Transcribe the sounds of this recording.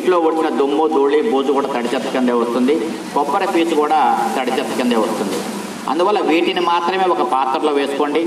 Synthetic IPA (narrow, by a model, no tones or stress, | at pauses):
ʈloːʋoʈːinɐd̪umːud̪oːɭibuːd͡ʒukuːɽaːt̪ɐɽit͡ʃɐt̪ːɐ̥kɐnd̪eːʋɐst̪und̪i | kɔpːɐɾɐpiːt͡ʃukuːɽaːt̪ɐɽit͡ʃɐt̪ːɐ̥kɐnd̪eːʋɐst̪und̪ḭ | ɐ̰nd̪uʋɐlːɐʋiːʈinimaːt̪ɾɐme̞ːɔkɐpaːt̪ːɐɾloːʋe̞ːsu̥ko̞ːɳɖi